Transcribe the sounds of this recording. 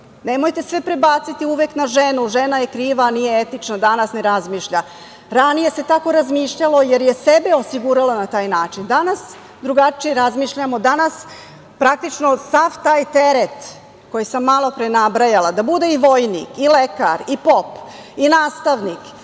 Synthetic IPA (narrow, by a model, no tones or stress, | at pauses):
ne̞mojt̪e̞sʋe̞pɾebaːt̪sit̪iuʋeknaʒenuʒe̞naje̞kɾiːʋanije̞et̪it͡ʃnad̪anasne̞ɾazmiːʃʎa | ɾanije̞se̞t̪ako̞ɾazmiːʃʎalo̞je̞ɾje̞se̞be̞osiɡuɾalanat̪aːjnaːt͡ʃind̪anas | d̪ɾuɡat͡ʃijeɾazmiːʃʎamo̞d̪anas | pɾak̚t̪it͡ʃno̞saʋt̪aːjt̪e̞ɾet̪ | ko̞jisamːalˠo̞pɾenabɾajalad̪abud̪e̞iʋojnḭkileka̰ɾipo̞pinaːst̪aʋnik